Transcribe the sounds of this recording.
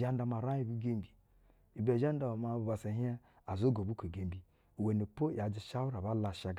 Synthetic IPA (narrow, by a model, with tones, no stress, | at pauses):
a˦n˦da˨ma˨ɾa˦i˦˨bu˦ɡe˦m˨bi˨ | i˨be˨ʒa˦nda˨ma˨ba˨se˨ɦe˦ | a˨zo˦ɡo˨bu˦ko˨ɡe˨mbi˨ | we˨ni˨po˦˨ja˨d͡ʒi˨ʃa˦wu˦ɾa˨ba˦la˨ʃa˨ɡ